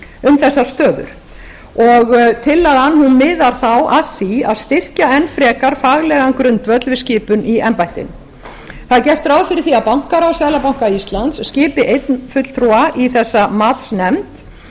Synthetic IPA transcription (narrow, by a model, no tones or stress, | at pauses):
ʏmθɛsːḁst̪œːðʏ̰ɾ̥ | ɔɣt̪ʰɪlːaɣanːhunmɪːðaɾ̥θawʔaðθia̰ðst̪ɪr̥caɛnfɾɛːkaɾ̥faɣlɛɣankɾʏnt̪vœt̪lvɪscɪːpʏniɛmpajnt̪ɪ̰n | θaðcɛr̥t̪ɾawfɪɾɪɾ̥θiaðpawŋ̥kaɾawsaːjlapaw̃ŋ̥kaist̪lant̪sːcɪːpɪʔejt̪nfʏt̪l̥t̪ʰɾuaʔiθɛsːamaːt̪snɛmt̪